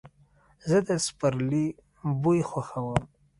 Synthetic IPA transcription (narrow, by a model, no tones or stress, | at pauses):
zəd̪əspəɾli | bujxwaxawəm